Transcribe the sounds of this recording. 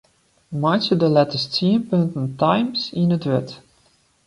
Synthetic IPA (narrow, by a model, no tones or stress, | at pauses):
mat͡ʃədəlɛtəstiənpøntn̩tajmsinətʋɛt